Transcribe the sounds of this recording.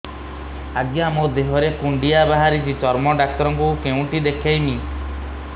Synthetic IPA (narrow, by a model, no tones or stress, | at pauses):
aɡjɔamod̪eɦɔɾekuɳɖijabaɦaɾit͡ʃʰit͡ʃɔɾmɔɖak̚t̪ɔɾɔŋkukeũʈid̪ekʰajmi